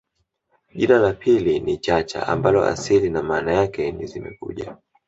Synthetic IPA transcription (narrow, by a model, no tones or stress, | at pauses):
ʄinalapʰilinit͡ʃat͡ʃa̰ʔa̰mbalɔ̰ʔa̰silinamaːnajakɛnizimɛ̰kṵʄa̰